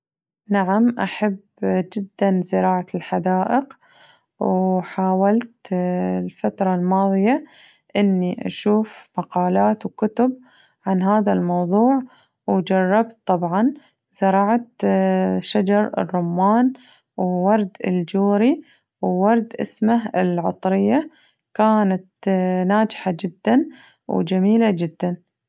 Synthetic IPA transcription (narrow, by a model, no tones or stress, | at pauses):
naʕamʔaħab | d͡ʒɪd̪ːanzɪɾˤɑːʕalħad̪aːʔɪq | wħaːwalt̪lfat̪ɾˤɑlmɑːðˤɨja | ʔɪnːiʔa̰ʃuːfmɑqɑːlaːt̪wkʊt̪ʊb̚ | ʕanɦaːðalmɑwðˤuːʕ | wd͡ʒɑrˤːɑbt̪̚t̪ˤːɑbʕɑn | sɑɾˤɑːʕt̪ | ʃad͡ʒɑɾˤɪ̰rˤːʊmːaːn | wwɑɾˤd̪ɪ̰ld͡ʒuːɾi | wːɑɾˤd̪ʔɪ̰smahɪ̰lʕɑ̰t̪ˤɾɪjːa | kaːnat̪naːd͡ʒħad͡ʒɪd̪ːan | wd͡ʒamiːlad͡ʒɪd̪ːan